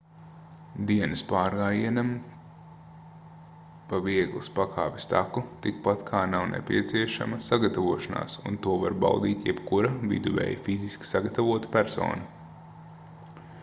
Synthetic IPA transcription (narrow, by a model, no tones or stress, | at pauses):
d̪iɛnɐspaːɾɡaːjiɛnam | paviɛɡlˠispakʰa̰ːpʲist̪akut̪ikpat̪kʰaːnawnʔɛ̰pʲiɛt̪siɛʃa̰mɐsaɡat̪avuɔʃana̰ːsṵnt̪uɔvaɾba̰wd̪iːt̪jɛbkuɾavḭd̪uvɛ̰jfiziskʲi̥saɡat̪avuɔt̪pʲæɾsɔ̰ːnɐ